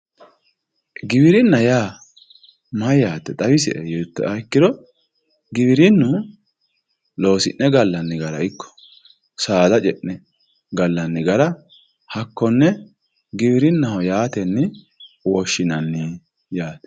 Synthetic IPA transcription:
ɡɪbɪɾɪnːɐjaː | mɐjjaːt̪ːɛt̪ʼɐwɪsɛ̰ʔɛjɔt̪ːɔ̰ɐkːɪd̪ɔ | ɡɪβɪɾɪnːu | lo̞ːsɪʔnːɛɡɐlːɐnːɪɡɐɾɐ̰ɪkːɔ̥ | saːd̪ɐt͡ʃʼɛʔnɛ | ɡɐlːɐnːɪɡɐɾɐ | hɐkːɔnːɛ | ɡɪβɪɾɪnːɐhɔjaːt̪ɛnːɪ | wɔʃːɪnɐnːɪ | jaːt̪ɛ̥

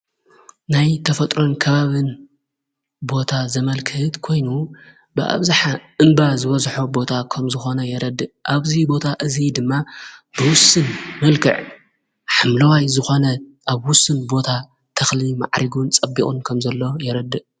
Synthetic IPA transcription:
najt̪ʰɐfɐt̪ʼɾo̞nkʰɐβaβɨn | bo̞t̪ʰazɐmɐlkʰɨht̪kʰo̞jnu | bɨʔa̰βzaħaʔɨmbazɨβɐzħobo̞t̪ʰakʰɐmzɨxo̞nɐjɛɾɐd̪ːɨʔʔaβzibo̞t̪ʰaʔɨzid̪ɨmːabɨwʊsɨnmɐlkʰɨ̰ʕ | ħamlɐwajzɨxo̞nɐʔaβwʊsɨnbo̞t̪ʰa | t̪ʰɐxlima̰ʕɾʔiɡunt͡sʼɐbːikʼunkʰɐmzɐlːo̞jɛɾɐd̪ɨʔ

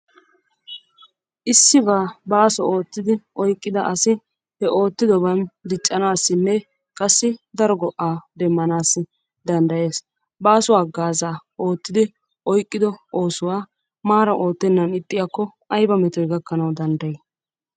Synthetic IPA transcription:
ʔɪsːɪbaːbaːsɔo̞ːt̪ːɪd̪ɪʔɔjkʼːɪd̪ɐʔɐsɪ | hɛʔo̞ːt̪ːɪd̪ɔbɐnd̪ɪt͡ʃʼːɐnaːsːɪnːɛ | kʼɐsːɪd̪ɐɾɔɡɔʔːaːd̪ɛmːɐnaːsːɪ | d̪ɐnd̪ɐje̞ːs | baːsʊwaːɡaːzaːo̞ːt̪ːɪd̪ɪ | ʔɔjkʼːɪd̪ɔo̞ːsʊwaː | maːɾɐʔo̞ːt̪ːɛnːɐnɪt̪ʼːɪjakːɔʔɐjbɐmɛt̪ɔjɡɐkːɐnɐwd̪ɐnd̪ɐjɛ

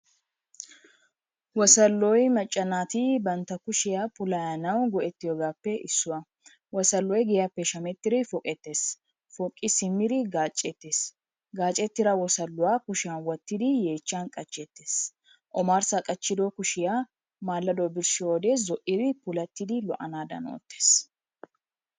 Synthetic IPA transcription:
wɔsɐlːɔjmɐt͡ʃʼːɐnaːt̪ɪbɐnt̪ːɐkʊʃɪjapʰʊlɐjɐnɐwɡɔʔɛt̪ːɪjoːɡaːpːɛʔɪsːʊwɐ | wɔsɐlːɔjɡɛjapːɛʃɐmɛt̪ːɪdɪfɔkʼɛt̪ːe̞ːs | fɔkʼːɪsɪmːɪd̪ɪɡaːt͡ʃʼːɛt̪ːeːs | ɡaːt͡ʃʼːɛt̪ːɪɾɐwɔsɐlːʊwaːkʊʃɪjanwɔt̪ːɪd̪ɪje̞ːt͡ʃːankʼɐt͡ʃʼːɛt̪ːeːs | ʔɔmaːɾsɐkʼɐt͡ʃːɪd̪ɔkʊʃɪja | maːlːɐd̪ɔbɪɾʃɪɔːd̪ɛzɔʔɪdɪpʊlɐt̪ːɪd̪ɪlɔʔɐnaːd̪ɐ̰no̰ːt̪ːe̥ːs

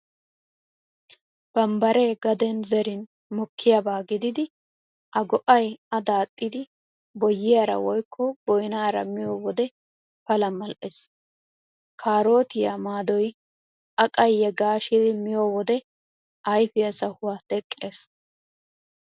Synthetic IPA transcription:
b̥ɐmbɐɾeɡɐd̪ɛnzɛɾɪn | mɔkʰːɪjabaːɡɪd̪ɪd̪ɪ | ʔɐɡɔʔɐjɐd̪aːt̪ʼːɪd̪ɪ | bɔjːɪjaɾɐ̰wɔjkʰːɔb̥ɔjnaːɾɐ̰mɪjoːwɔd̪ɛ | fɐlɐmɐlʔɛs | kʰaːɾo̞ːt̪ɪjamaːd̪ɔj | ʔɐkʼɐjːɛɡaːʃɪd̪ɪmɪjowɔd̪ɛ | ɐjfɪjɐsɐhʊwaːt̪ɛkʼːeːs

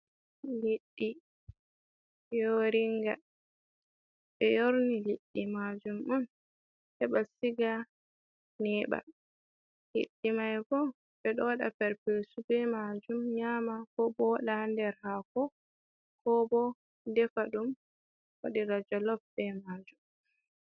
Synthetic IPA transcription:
liɗːi | joɾiŋɡa | ɓɛjoɾniliɗːimad͡ʒumʔɔn | ʔɛɓasiɡa | nɛːɓa̰ | hḭɗːimajkɔ | ɓɛɗɔwaɗa̰pɛɾpesubɛmad͡ʒumɲaːmakɔbɔwaɗandɛɾhakɔ | kɔbɔ | dɛfaɗum | wa̰ɗiɾad͡ʒɔlɔfbɛmaːd͡ʒum

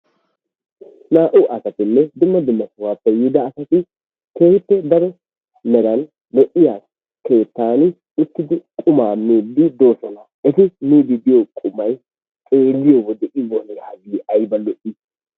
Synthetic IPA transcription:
naːʔʊʔɐsɐt̪ɪnːɛd̪ʊmːɐd̪ʊmːɐsɐwaːpːɛjɪd̪ɐːsɐt̪ɪ | keːhɪtːɛd̪ɐɾɔ | mɛɾɐn | lɔʔɪjaːs | ke̞ːt̪ːaːn | ʊt̪ːɪd̪ɪkʼʊmaːmːiːd̪ːɪd̪o̞ːsɔna | ɛt̪ɪniːd̪ɪd̪ɪjɔkʼʊmːɐj | kʼe̞ːlːɪjowɔd̪ɛʔɪwɔnɛjaːɡiːʔɐjbɐlɔʔɪs

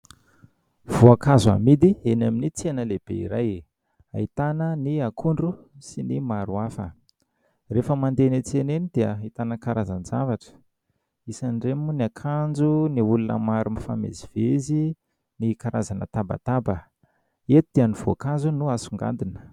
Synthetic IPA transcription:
v̥oakazua̰mid̪ienaminit͡senəleb̥ḛḭɾaj | a̰it̪anəniakʰuɳɖ͡ʐu | sinimaɾuafə̰ | refəmand̪enet͡senenid̪̥eəit̪anəkaɾazanzavaʈ͡ʂə̥ | isanɖ͡ʐemuniakʰand͡zuniulunə̰maɾumifa̰mḛzivezi | nikaɾazanə̰t̪aba̰t̪abə | et̪ud̪̥ianiv̥oakazunuasuŋɡa̰nd̪inə̥

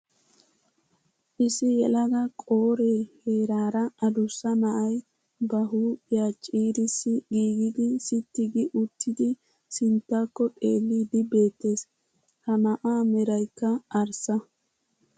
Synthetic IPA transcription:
ʔɪsɪjɛlɐɡɐkʼo̞ːɾeːheːɾaːɾɐɐd̪ʊsːɐnɐʔɐj | bɐɦuːpʼɪjaːt͡ʃʼiːɾɪsːɪɡiːɡɪd̪ɪsɪt̪ːɪɡɪʔʊt̪ːɪd̪ɪ | sɪnt̪ːakːɔt̪ʼeːlːid̪ɪbe̞ːt̪ːe̞ːs | hɐmɐʔaːmɛɾɐjkːɐɐɾsɐ

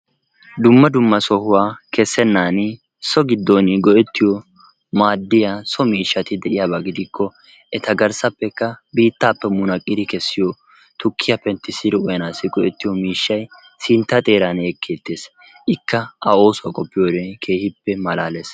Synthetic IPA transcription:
d̪ʊmːɐd̪ʊmːɐsɔhʊwaːkɛsːɛnːaːnɪ | sɔɡɪd̪ːɔnɪɡɔʔɛt̪ːɪjɔ | maːd̪ːɪjaːsɔmiːʃːɐt̪ɪd̪ɛʔɪjaːbaːɡɪd̪ɪkʰːɔ | ɛt̪ɐɡɐɾsɐpːɛkːɐbiːt̪ːaːpːɛmʊnɐkʼːɪd̪ɪkɛsːɪjɔ | t̪ʊkʰːɪjɐpɛnt̪ːɪsɪɾɪɔjɐnaːsɪɡɔʔɛt̪ːɪjɔmiːʃːɐj | sɪnt̪ːɐt̪ʼe̞ːɾaneːkʰːeːt̪ːe̞ːs | ʔɪkːɐɐo̞ːsʊwɐkʼɔpːɪjoːd̪ɛkʰe̞ːhɪpːɛmɐlaːles

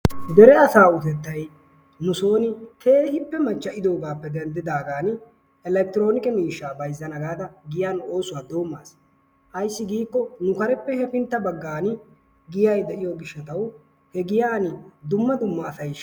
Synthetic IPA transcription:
d̪ɛɾɛɐsaːʊt̪ɛt̪ːɐj | nʊso̞ːnɪt̪ʰeːhɪpːɛmɐɲt͡ʃːɐʔɪd̪o̞ːɡaːpːɛd̪ɛnd̪ɪd̪aːɡaːn | ɛlɛk̚t̪ɪɾo̞ːnɪkɛmiːʃːaːbɐjzːɐnɐɡaːd̪ɐɡɪjaːno̞ːsʊwaːd̪oːmːaːs | ʔɐjsːɪɡiːkːɔnʊkɐɾɛpːɛhɛpɪnt̪ːɐbɐɡːaːn | ɡɪjɐjd̪ɛʔɪjoːɡɪʃːɐt̪ɐw | hɛɡɪjaːnɪd̪ʊmːɐd̪ʊmːɐːsɐj

